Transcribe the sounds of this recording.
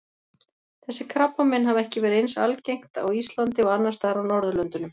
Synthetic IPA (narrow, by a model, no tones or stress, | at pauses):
θɛsːɪkʰɾapːamɛnːɦavɛhcɪvɛːɾɪensa̰lcejŋ̥t̪a̰wist̪lant̪ɪɔɣanːaɾst̪aːɾawnɔɾðʏlœnt̪ʏnʏm